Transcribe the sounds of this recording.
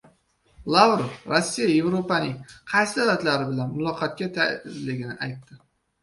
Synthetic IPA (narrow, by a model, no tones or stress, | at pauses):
lˠavɾofɾosːijaje̞vɾopanɪŋqʰɑjsɪd̪alat̪laɾɪbɪlanmʊlˠɒqʰɑt̪̚kʲat̪ʰaɪzlɪɡʲɪnɪʔajt̪ːɪ